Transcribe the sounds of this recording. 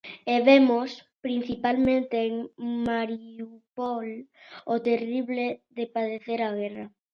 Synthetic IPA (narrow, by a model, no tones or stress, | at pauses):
eβemospɾin̟θipalmẽnt̪eeŋmaɾiupɔlot̪eriβleðepaðeθeɾaɣ̞ɛra